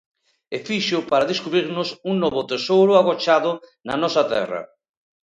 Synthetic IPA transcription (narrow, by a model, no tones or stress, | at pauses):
efiʃʊpaɾaðeskuβɾiɾnʊsuŋnɔβʊt̪esowɾʊaɣot͡ʃaðʊnanɔsat̪ɛ̰ra̰